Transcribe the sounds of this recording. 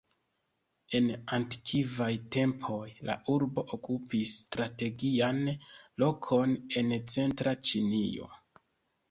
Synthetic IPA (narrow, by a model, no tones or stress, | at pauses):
e̞nantkʰivajte̞mpʰo̞jla̰ʔuɾbo̞ʔokupistɾate̞ɡianlo̞kʰo̞ne̞nt͡se̞ntɾat͡ʃinio̞̰